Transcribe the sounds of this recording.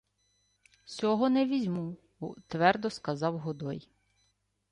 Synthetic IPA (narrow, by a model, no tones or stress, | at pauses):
sʲɔɦɔnɛʋʲizʲmu | ɔt̪ʋɛrd̪ɔskɐzɑwɦɔd̪ɔj